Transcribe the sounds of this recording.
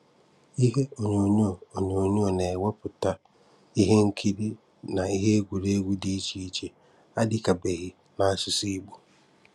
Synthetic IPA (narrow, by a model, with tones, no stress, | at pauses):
i˦he˦o˨nũː˨nũ˦ɔ˨o˨ɲũ˨nũ˦ɔ˨nã˨ɛ˨wɔ˦pʰʊ˨tʰa˦ | i˦ɦe˦ŋ̩˦kʰi˦di˦ | nã˨i˦ɦe˦ɡu˨ɾeː˦ɡu˦di˦t͡ɕʰi˦t͡ɕʰɛ˨ | a˦dɪ˦kʰa˨bɛ˨hi˨ | nã˨˦sʊ˨si˦bo˨